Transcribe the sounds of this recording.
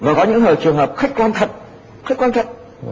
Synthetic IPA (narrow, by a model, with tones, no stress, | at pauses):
vaː˨˩kɔ˨˦ɲɨ̰˧˥ŋhəː˨˩jt͡ɕɨ˨˩əŋɦəː˨˩p̚xai˦˥k̟̚kwaː˧nt̪ʰə˧˨˩ | xi˦˥k̟kwaː˧nt̪ʰə˧˨ŋ͡m